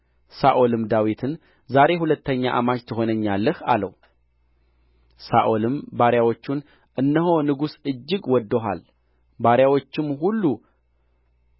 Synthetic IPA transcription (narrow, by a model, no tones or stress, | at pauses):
saʔo̞lɨmd̪awit̪ʰɨn | zaɾe̞ɦulət̪ːəɲːaʔamad͡ʒt̪ʰɨɦo̞nəɲːalːəha̰lə̰w | saʔo̞lɨmbaɾjawo̞t͡ʃːun | ʔɨnːəɦo̞nɨɡusɨd͡ʒːɨɡwɔd̪ːəɦa̰l | baɾjawo̞t͡ʃːɪmhulːu